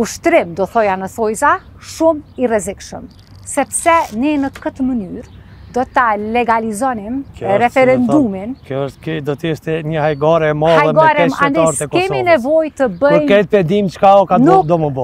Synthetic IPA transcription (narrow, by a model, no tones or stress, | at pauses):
uʃt̪ɾimd̪ɔθɔjanəθɔjza | ʃumirɛzikʃə̰m | sɛpsɛnɛnəkət̪əmənyɾ | d̪ɔt̪alɛɡalizɔnimɾɛfɛɾɛnd̪uminkjɔəʃt̪kd̪ɔt̪əəʃt̪ɛɲəhajɡɔɾɛmalaɛɡɔɾɛand̪ɛɾt̪ɛkɔkɛmɔinɛvɔjt̪əbəpɾjkɛt̪̚pɛnd̪imt͡ʃkaɔkanud̪ɔməbɔ